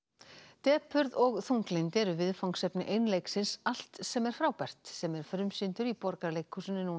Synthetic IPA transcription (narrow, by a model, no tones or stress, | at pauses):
t̪ɛːpʏɾðɔɣθuŋklɪnt̪ɛɾʏvɪðfawŋksɛpnɪʔejnlejksɪnsal̥t̪sɛmɛɾ̥fɾaːwpɛr̥t̪sɛmɛɾ̥fɾʏmsɪnt̪ʏɾipɔɾkaɾlejkʰːʏsʏnːɪnuː